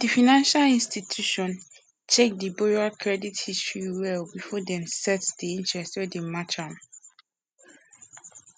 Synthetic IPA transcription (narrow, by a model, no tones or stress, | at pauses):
d̥ifinãnʃalĩnstitʰjuʃɔ̃n | tek̚dibɔɹakʰɹɛdithistɹiwɛlbifɔdɛ̃nsɛtdiĩntɹɛstwɛdemat͡ʃãm